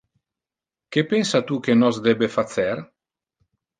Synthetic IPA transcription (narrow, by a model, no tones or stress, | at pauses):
kepensat̪ukenɔsd̪ɛbefat̪sɛr